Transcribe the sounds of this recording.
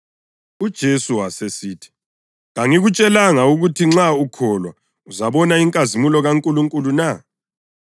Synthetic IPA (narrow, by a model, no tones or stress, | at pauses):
ud̥ʒ̥ʱesuwasesiːtʰi̥ | ɣaŋiɣut͡ʃʼɛlaŋauɣutʰiŋ͡ǁaukʰɔlwa̰ | uzaβɔnaiŋkʼazimulɔɣaŋkʼuluŋkʼuluna